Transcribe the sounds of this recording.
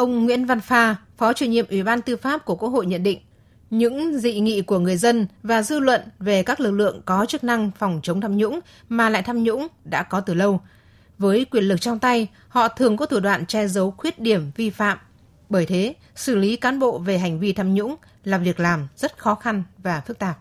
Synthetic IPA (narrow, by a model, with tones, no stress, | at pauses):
ʔə˧wŋ͡mŋwḭ˧˥ənva˧nfaː˧fɔ˨˦t͡ɕu˧˩əŋɲḭ˧˨mʔwi˧˩ɓaː˧nt̪ɨ˧faː˦˥p̚ku˧˩əku˧˥əho̰˧˨jɲə̰˧˨nɗḭ˧˨ŋ̟ | ɲɨ̰˧˥ŋzḭ˧˨ŋḭ˧˨ku˧˩əŋɨ˨˩əjzə˧nvaː˨˩zɨ˧lwə̰˧˨nve˨˩kaː˦˥k̚lɨ˨˩k̚lɨ̰˧˨əŋkɔ˨˦t͡ɕɨ˦˥k̚na˧ŋfɔ˨˩wŋ͡mt͡ɕə˨˦wŋ͡mt̪ʰaː˧mɲʊ̰˧˥ŋ͡m | maː˨˩la̰ː˧˨jt̪ʰaː˧mɲʊ̰˧˥ŋ͡mɗa̰ː˧˥kɔ˨˦t̪ɨ˨˩lə˧w | vəː˨˦jkwi˧˩ənlɨ˨˩k̚t͡ɕɔ˧wŋ͡mt̪a˧j | hɔ̰˧˨t̪ʰɨ˨˩əŋkɔ˨˦t̪ʰu˧˩ɗwa̰ː˧˨nt͡ɕɛ˧zə˨˦wxwi˦˥ət̚ɗi˧˩əmvi˧fa̰ː˧˨m | ɓəː˧˩jt̪ʰe˨˦ | sɨ˧˩li˨˦kaː˨˦nɓo̰˧˨ve˨˩ɦa˨˩jŋ̟vi˧t̪ʰaː˧mɲʊ̰˧˥ŋ͡m | laː˨˩vi˨˩ək̚laː˨˩mz̥ə˦˥t̚xɔ˨˦xa˧nvaː˨˩fɨ˦˥k̚t̪aː˨˩p̚